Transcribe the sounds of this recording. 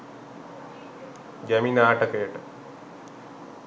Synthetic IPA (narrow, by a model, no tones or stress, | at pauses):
ɡæminaːʈəkəjəʈə